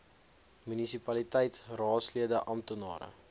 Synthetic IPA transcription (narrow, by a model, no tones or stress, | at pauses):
mynisipɐlitɛjtrɑːtsliədəʔɐmtunɑ̰ːɾə̰